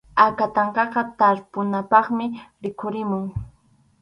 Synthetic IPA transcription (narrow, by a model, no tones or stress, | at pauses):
akat̪ɑɴqɑqɑt̪aɾpʊnapɑχmɪɾɪkʊɾɪmʊŋ